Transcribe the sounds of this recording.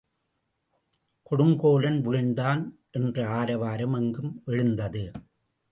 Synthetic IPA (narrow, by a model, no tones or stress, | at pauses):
kɔɽɯŋɡoːlɐnʋiːɳɖ̪aːnʔɛndrɐaːɾɐʋaːɾɐmɐŋɡɯmʔɛɻɯnd̪ɐðɯ